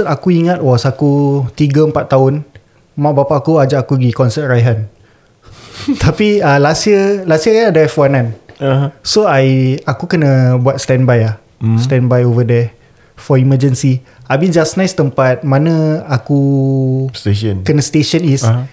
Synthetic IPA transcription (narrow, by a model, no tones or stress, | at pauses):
ət̪akuiŋãt̪̚wɔsakut̪iɡəəmpat̪ːaʊn | mãʔbapaʔakuad͡ʒaʔakuɡikɔnsət̪̚rajɦan | t̪apiəlasəlasiəɾaadəfwanãn | soajakukənə̃buat̪̚st̪ɛnbajah | sst̪ɛnbajovədɛ | fɔiməd͡ʒənsiabind͡ʒasnãjst̪əmpat̪̚mãnə̃aku | senkənə̃st̪eʃɔnis